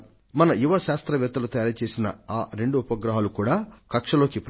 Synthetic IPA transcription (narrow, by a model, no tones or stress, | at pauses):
mɐnɐjuʋɐʃaːst̪ɾɐʋjɛt̪ːɐlɐt̪ɐjaːɾat͡ʃe̞ːsinɐ̰aːɾe̞ɳɖuːpɐɡɾɐɦaːlukuːɽaːkɐkʂɐlo̞ːkip